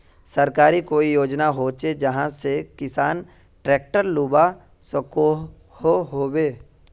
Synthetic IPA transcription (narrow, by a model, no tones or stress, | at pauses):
səɾkaːɾikoːijoːd͡ʒnaɦoːt͡ʃed͡ʒɐɦãsekɪsaːn | ʈɾɛːk̚ʈəɾluːba | sko | hoɦoːweː